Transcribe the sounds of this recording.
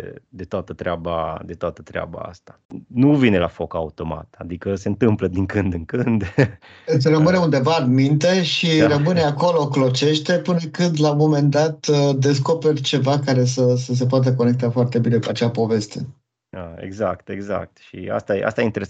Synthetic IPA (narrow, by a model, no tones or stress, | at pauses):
d̪et̪oat̪ət̪ɾeaba̰d̪e̞t̪oat̪ə̥t̪ɾea̰ba̰a̰st̪ḁnuvinelafo̞ka̰ut̪o̞ma̰t̪ad̪ikəse̞nt̪ɨmpləd̪iŋkɨnd̪ɨŋkɨnd̪ | sɾəmɨne̞und̪e̞vaːnmint̪e̞ʃirəmɨne̞ako̞lo̞klo̞t͡ʃe̞ʃt̪e̞pɨnəkɨnd̪lamo̞me̞nd̪at̪d̪e̞sko̞perʲt͡ʃe̞vakaɾe̞səsəs̬e̞poat̪̬əko̞ne̞k̚t̪afoart̪e̞bine̞kuat͡ʃapo̞ve̞st̪ʰe̞ | əḛɡzakt̪e̞ɡza̰k̚t̪ʃḭa̰st̪ajḛʔa̰st̪ajeint̪eɾe